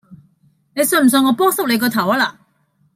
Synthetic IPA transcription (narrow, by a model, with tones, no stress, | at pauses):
ne˨˧jsm̩˨˩s̬ɵ˧ŋɔː˨˧pɔː˥ŋsɐ˥p̚le˨˧kɔː˧t̪ʰɐ˨˩wɐ˧laː˨